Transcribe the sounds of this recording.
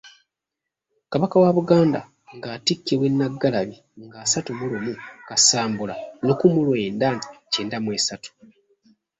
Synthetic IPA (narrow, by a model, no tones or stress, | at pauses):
kaβakawaβuɡaːnda̰ | ŋɡaːtikːeβwe̞nːaɡːalaβi | ŋɡaːsatumulumukasaːmbulanokumulwe̞ːndanti̥ceːndamwe̞ːsatu̥